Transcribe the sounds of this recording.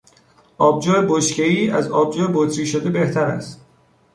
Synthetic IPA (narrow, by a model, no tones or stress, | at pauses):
ʔɒːbd͡ʒɒːeboʃce̞iːæzɒːb̚d͡ʒɒːjebot̪ʰɾiːʃod̪e̞be̞ht̪ʰæɾæ̰st̪